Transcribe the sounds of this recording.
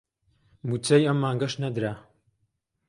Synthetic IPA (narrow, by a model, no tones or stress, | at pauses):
mut͡sɐjɐmːaːŋɡɐʃnɐd̪ɾa